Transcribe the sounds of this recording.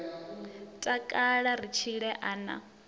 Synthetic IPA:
tʼakʼaɺarit͡ʃʰiɺɛʔaːna̰

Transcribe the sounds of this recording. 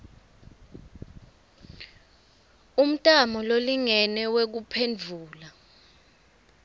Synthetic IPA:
um̩tʼamɔloliŋɛnɛwek̬upʰend͡ɮʱuːla

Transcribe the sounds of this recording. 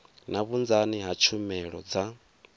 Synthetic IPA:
naβund͡zaniɦat͡ʃʰumɛɺɔ̰d͡za

